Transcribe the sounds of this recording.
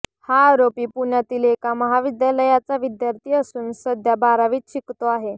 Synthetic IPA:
haːɾopiːpuɳjat̪iːlekaməɦaʋid̪jaləjat͡saʋid̪jaɾt̪ʰiːəsuːnsəd̪ʱjabaɾaʋiːt͡sɕikt̪oaɦe

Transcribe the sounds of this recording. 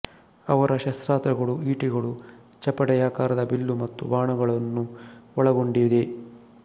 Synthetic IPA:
ɐʋɐɾɐʃɐst̪ɾaːt̪ɾɐɡɐɭuiːʈiɡɐɭu | t͡ʃɐpːɐɽɐjaːkaːɾɐd̪ɐbilːumɐt̪ːṵʋaːɳɐɡɐɭɐnːuɔɭɐɡo̞ɳɖid̪e

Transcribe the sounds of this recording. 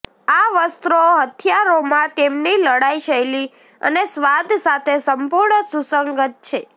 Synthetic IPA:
aʋəst̪ɾoɦət̪ʰjaɾomãt̪emniləɽaiʃəeli | ə̰nesʋad̪ʱsat̪ʰesəmpuɾɳəsusəŋɡət̪̚t͡ʃʰe

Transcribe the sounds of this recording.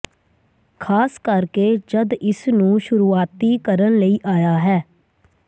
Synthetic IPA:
kʰaːskəɾkeːd͡ʒəd̪ɪsnũːʃʊɾuːaːt̪iːkəɾənləiːʔaːjaːɦɛː

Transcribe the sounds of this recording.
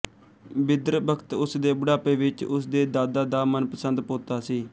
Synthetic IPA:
bɪd̪ɾbəkt̪ʊsd̪eːbʊɽaːpeːʋɪt͡ʃʊsd̪eːd̪aːd̪aːd̪aːmənpəsənd̪poːt̪aːsiː

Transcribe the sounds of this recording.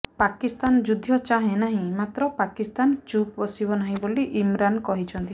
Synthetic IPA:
pakist̪and͡ʒud̪ʱːjɔt͡ʃaɦẽnaɦĩmat̪ɾɔpakist̪ant͡ʃupbɔsibɔnaɦĩboliʔimɾankɔɦit͡ʃʰɔnt̪i

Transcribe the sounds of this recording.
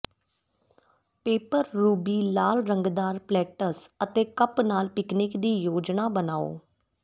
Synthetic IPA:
peːpəɾːuːbiːlaːlɾəŋɡd̪aːɾplɛːʈəsət̪eːkəpnaːlpɪknɪkd̪iːjoːd͡ʒnaːbənaːo̰ː

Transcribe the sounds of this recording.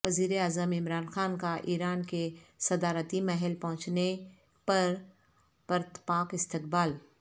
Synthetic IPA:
ʋɐziːɾeaːzəmɪmɾaːnxaːnkaʔiːɾaːnkesɐd̪aːɾət̪imɛɦɛlpɐ̃ɦʊ̃t͡ʃne | pɐɾ | pɐɾt̪paːkɪst̪ɪkbaːl

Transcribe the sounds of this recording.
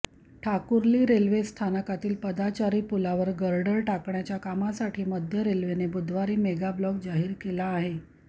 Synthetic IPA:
ʈʰakuɾliːɾelʋest̪ʰanəkat̪iːlpəd̪at͡ɕaɾiːpulaʋəɾɡəɾɖəɾʈakɳjat͡ɕjakamasaʈʰiːməd̪ʱjəɾelʋenebud̪ʱʋaɾiːmeɡablɔk̚d͡zaɦiːɾkelaːɦe

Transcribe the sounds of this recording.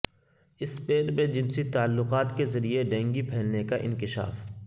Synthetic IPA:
ɪspeːɾmẽd͡ʒɪnsit̪aːlːʊqaːt̪kezɐɾieɖɛ̃ːŋɡipʰɛːlnekaʔɪ̰̃nkɪʃa̰ːf

